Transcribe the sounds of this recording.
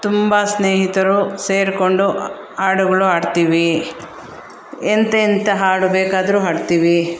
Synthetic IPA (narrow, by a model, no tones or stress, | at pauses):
t̪umbasneːɦit̪ɐɾuse̞ːɾkoɳɖu | aːɽuɡɐɭuɦaːɖt̪iːʋi | ent̪eint̪ɐɦaːɽubeːkaːd̪ɐɾuɦaːɖt̪iːʋi